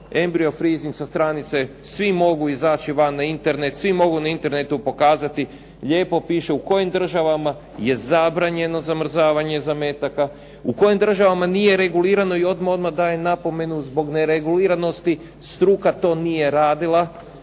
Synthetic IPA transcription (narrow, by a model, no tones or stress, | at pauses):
embɾio̞fɾiziŋksast̪ɾanit̪se̞ | sʋimo̞ɡuizaːt͡ʃiʋanːaint̪e̞ɾne̞t̪sʋimo̞ɡunaint̪e̞ɾnet̪upo̞kaːzat̪i | ʎe̞ːpo̞piːʃe̞uko̞jimd̪r̩ʒaʋama | je̞zabɾaɲe̞no̞zamr̩zaːʋaɲe̞zameːt̪aka | uko̞jimd̪r̩ʒaʋamanije̞ɾe̞ɡuliːɾano̞io̞d̪mao̞d̪mad̪aːjenapo̞me̞nuzbo̞ɡneɾeɡuliːɾano̞st̪i | st̪ɾuːkat̪o̞ːnije̞ɾaːd̪ilˠa